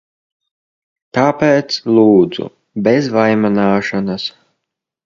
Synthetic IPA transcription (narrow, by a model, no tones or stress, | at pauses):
t̪aːpeːt̪slˠuːd̪z̥ṵ | bʲɛzvajmanaːʃanas